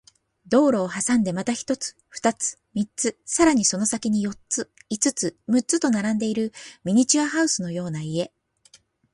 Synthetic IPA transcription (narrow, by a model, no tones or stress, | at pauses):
d̪o̞ːɾo̞ːɦasãnd̪e̞mat̪açi̥t̪o̞t͡sɨ̥ɸɯ̥t̪at͡sɨ̥ | mʲit͡sɨsaɾaɲ̟iso̞no̞sakʲiɲ̟ijo̞tt͡sɨit͡sɨt͡sɨmɯ̟t͡sɨt̪o̞naɾãnd̪e̞iɾɯ̟mʲiɲ̟it͡ɕiaɦaɯ̟sɨno̞jo̞ːnaie̞